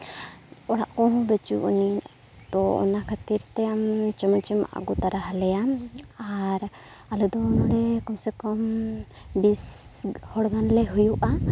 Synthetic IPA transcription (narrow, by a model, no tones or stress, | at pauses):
ɔɽaʔkɔ̃ɦɔ̃bət͡ʃṵʔṵni | d̪ɔɔ̰nakʰat̪iɾt̪ɛamt͡ʃɔmɔt͡ʃɛma̰ʔa̰ɡɔt̪aɾaɦalɛjaaɾ | alud̪ɔnɔɽɛkɔmsɛkɔm | bishɔɽɡanlɛɦujuʔa